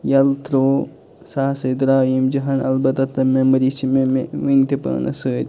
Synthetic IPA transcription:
jɐlt̪ɾoː | saːsed̪ɾaːjimd͡ʒɐɦɐnɐ̰lbɐt̪ɐt̪ːɐmemɐɾiːt͡ʃʰimeʋint̪ipə̰ːnʔɐ̰səːɾʲ

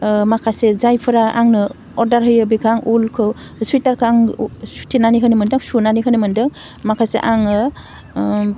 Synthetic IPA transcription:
makʰasezajpʰɯɾaʔa̰ŋnɯ | ɔɾdaɾɦɯjɯbiɡʰaŋulkʰɯ | suitaɾkʰɯaŋsu̥tʰinanikʰɯnɯmɯndɯŋsunanikʰɯnɯmɯndɯŋ | makʰasḛʔaŋɯ

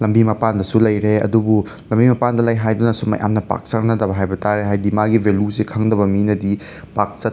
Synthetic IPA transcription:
lɐmbimɐpandɐsulɐjɾeɐ̰dubu | lɐmbimɐpandɐlɐjɦajdunɐsuma̰jʔa̰mnɐpa̰k̚t͡ʃɐknɐdɐbɐɦajbɐtaɾeɦajdimaɡivʱeljusekʰaŋdɐbɐminɐdi | pak̚t͡ʃɐ

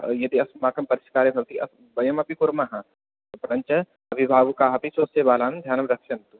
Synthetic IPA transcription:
jɐd̪iɐsmaːkɐmpɐɾiʃkaːɾebʱɐʋt̪iʔɐs | bɐjɐmɐpikuɾmaɦɐ | pɾɐɲt͡ʃɐ | ɐbʱibʱaːʋukaːɦɐpisoːsebaːlaːnd̪ʱjaːnɐmɾɐkʃɐnt̪u

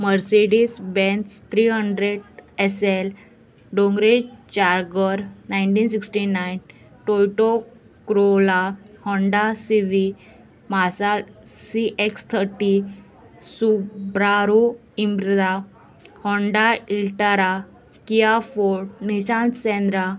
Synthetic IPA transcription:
məɾseɽisbẽnst̪ʰɾiɦəɳɖɾeɽesel | ɖõŋɡɾet͡ɕaɾɡəɾnaiɳʈiːnsiksʈinajn | ʈojʈo | kɾolahɔɳɖasiʋi | masalsiʔekst̪ʰəɾʈi | subɾaɾu | imbɾəd̪a | hɔɳɖailʈaɾa | kijafoɾʈniɕãnt̪sɛ̃nd̪ɾa

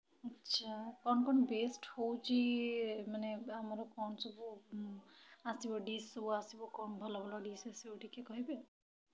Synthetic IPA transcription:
ətːʃʰakɔnkɔnbesʈhowt͡ʃimaneɦəmɾokɔnsəbu | asiboɖisːəbuasibokɔnbʱəlablɔɖisasiboʈʰikekɔɦebe

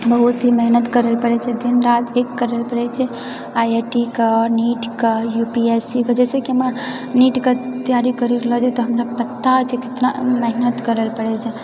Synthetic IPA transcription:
bəɦut̪ɦimɛɦnət̪kəɾəlpəɽɛt͡ʃʰɛd̪inɾat̪ekːəɾəlpəɽɛt͡ʃʰɛ | ajeʈikeniʈkəjupiesiked͡ʒɛsekiəma | niʈket̪ijaɾikəɾiɾəlɔd͡ʒat̪ɔɦəmɾapət̪ːat͡ʃʰɛkɪt̪naməɦnət̪kəɾəlpəɽɛt͡ʃʰɛ

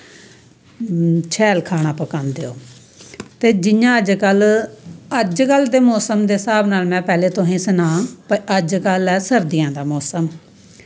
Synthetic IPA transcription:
t͡ʃʰɛːlkʰaːɽ̃aːpəkãːnd̪eːo̰ː | t̪eːd͡ʒɪjãːəd͡ʒkəl | əd͡ʒkəld̪eːmɔːsəmd̪eːsaːbnaːlmɛ̃ːpɛːleːt̪õɦẽːsənãːpəʔəd͡ʒkəlɛːsəɾd̪ɪjãːd̪aːmɔːsəm

